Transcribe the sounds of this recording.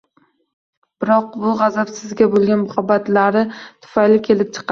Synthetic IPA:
b̥ɪɾɒq̚bʊʁɑzapsɪzɡʲabolˠɡʲanmʊχɒbat̪laɾɪt̪ʰʊ̥fajlɪkʲʰe̞lɪp̚t͡ʃʰɨ̥qʰɑ

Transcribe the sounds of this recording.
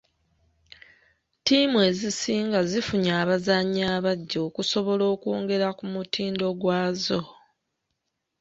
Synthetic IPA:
tiːmwe̞ːzisiːŋɡazifuɲaːβazaɲːaːβaɟːo̞ːkuso̞βo̞lo̞ːkwo̞ːŋɡe̞ɾakumutʰiːndo̞ɡwaːzo̞

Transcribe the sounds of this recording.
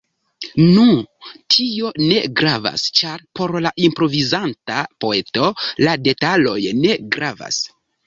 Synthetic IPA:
nutʰio̞ne̞ɡɾava̰st͡ʃaɾpo̞ɾlaʔimpɾo̞vizantapo̞e̞to̞lade̞talo̞jne̞ɡɾava̰s

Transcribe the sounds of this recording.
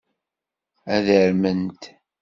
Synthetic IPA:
æðəɾmənt̪

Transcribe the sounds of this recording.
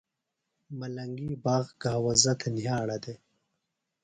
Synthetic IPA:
mɐlɐŋɡibaːɣɡaːwɐzɐt̪ʰenjaːɽɐd̪e

